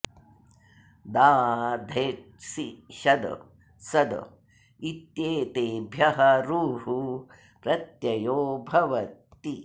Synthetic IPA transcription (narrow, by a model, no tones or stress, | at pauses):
d̪aːd̪ʱeː | siʃɐd̪̰ | sɐd̪ɐ̰ | it̪jeːt̪eːbʱjɐɦɐɾuːɦu | pɾɐt̪jɐjoːbʱɐʋɐt̪ːi